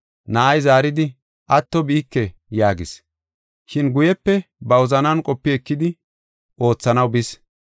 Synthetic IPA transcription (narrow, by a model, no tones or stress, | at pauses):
naʔɐjzaːɾɪd̪ɪ | ʔɐt̪ːɔbiːkːɛjaːɡɪs | ʃɪnɡʊjɛpːɛbɐwɔzɐnɐnkʼɔpːɪɛkːɪd̪ɪ | ʔo̞ːt͡sːɐnɐwbɪs